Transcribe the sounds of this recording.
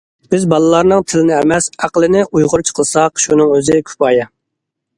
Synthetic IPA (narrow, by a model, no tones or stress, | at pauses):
b̥ɪzbɑlˠɨlˠɑɾnɨŋt̪ʰɪlɪnɪɛmɛsæqlˠɪnɪʔujʁʊɾt͡ʃʰqʰəlˠsɑqʃunɨŋøzɪkʲʰy̥pɑːjɑ